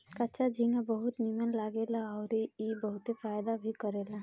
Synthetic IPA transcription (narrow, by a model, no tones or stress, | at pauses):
kɐt͡ʃad͡ʒiŋabəɦʊt̪nimənlaːɡelaɔːɾeibɐɦʊt̪efaːjd̪abʱikəɾeːla